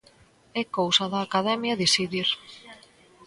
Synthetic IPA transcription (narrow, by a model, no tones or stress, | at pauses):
ɛkowsɐðaːkaðɛmjɐðisiðiɾ